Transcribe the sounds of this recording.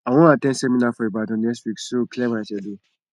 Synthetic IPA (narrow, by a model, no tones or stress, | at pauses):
awɔ̃natɛ̃nsɛmĩnafɔebadɔ̃nɛkstwiksoklɛmãsɛde